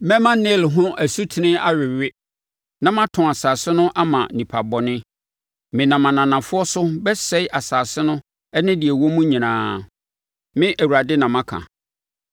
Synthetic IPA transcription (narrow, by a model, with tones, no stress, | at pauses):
mɛ̃˦mã˦nɪ˦˨lɦʊ̃˦ʔæ˨su˦tʰɪ˨nɪ̃˦a˦ɥɪ˨ɥɪ˦ | nã˦mã˦tʰʊ̃˨a˨saː˨sɪ˦nʊ̃˦ʔa˦mã̰˨nĩ˨pʰa˨bɔ˨nɪ̃˦ | mɪ̃˨nã˨mã˨nã˨nã˨fʊ˦ɔ˦sʊ˦bɛ˦sɛ˦ɪ˦ʔa˨saː˨sɪ˦nʊ̃˦ | ɛ˦nɪ̃˦dɪ˨ɛ˨wɔ˦mũ˦ɲĩ˨nãː˨˦ | mɪ̃˦ʔæ˨wu˨a˨dɪ˦nã˨mã˦kʰã̰˨